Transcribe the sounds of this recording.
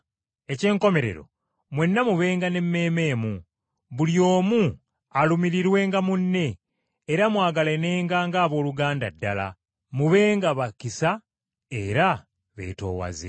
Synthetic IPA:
e̞ce̞ːŋko̞me̞ɾe̞̰ɾo̞̰ | mwe̞nːamuβe̞ːŋɡane̞mːe̞ːme̞ːmu | βuljo̞ːmu | alumiɾiɾwe̞ːŋɡamunːe̞ː | ɾamwaːɡalene̞ːŋɡaŋɡaːβo̞ːluɡaːnda̰dːala̰ | muβe̞ːŋɡaβakisa | eɾa | βe̞̰ːto̞̰ːwa̰zḛ

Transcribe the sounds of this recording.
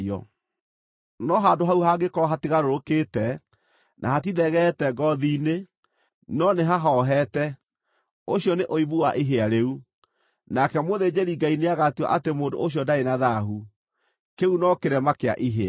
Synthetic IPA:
ɔ̰ | nɔɦadoɦauhaɡekɔɾɔɦatiɣaɾoɾokeːtɛ | nʔa̰hat̬iðɛɣɛtɛɡɔðiːne | nɔneɦaɦɔɦɛtɛ | oɕijɔneʔoiβuwaʔiɦeaɾeu | nakɛmoðed͡ʑeɾiŋɡaineaɣatia̰ʔatemoːdo̰oɕ̬jɔndaenaðaɦu | keunɔkeɾɛmakea̰ʔiɦea

